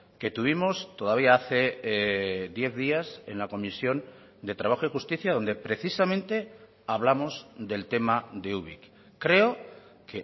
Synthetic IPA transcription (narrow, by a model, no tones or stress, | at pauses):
ke̞t̪uβ̞imo̞st̪o̞ðaβ̞iaaθe̞ | ðje̞θðiase̞̰nlako̞misjo̞n | d̪e̞t̪ɾaβaxoixust̪iθjaðo̞nd̪e̞pɾe̞θisamẽnt̪e̞ | aβ̞lamo̞zd̪e̞lt̪e̞maðeuβḭkː | ɾe̞okʰe